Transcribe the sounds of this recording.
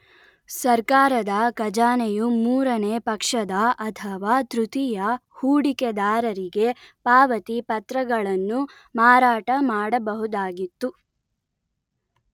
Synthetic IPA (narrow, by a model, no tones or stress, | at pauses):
sɐɾkaːɾɐd̪ɐkɐd͡ʒaːnejumuːɾɐneːpɐkʂɐd̪ɐʔɐt̪ʰɐʋaːt̪ɾut̪ijɐhuːɽiked̪aːɾɐɾiɡe̞paːʋɐt̪ipɐt̪ɾɐɡɐɭɐnːu | maːɾaːʈɐmaːɽɐbɐɦud̪aːɡit̪ːu